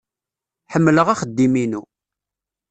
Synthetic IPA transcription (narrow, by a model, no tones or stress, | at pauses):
ħəmːləʁaχəd̪ːiminu